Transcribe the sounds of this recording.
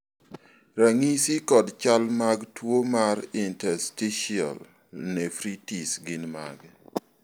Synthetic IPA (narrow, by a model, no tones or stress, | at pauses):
ɾaŋisikɔdt͡ʃalmaɡtwomaɾintɛɾstiʃia̰l | nɛfɾitisɡɪnma̰ɡ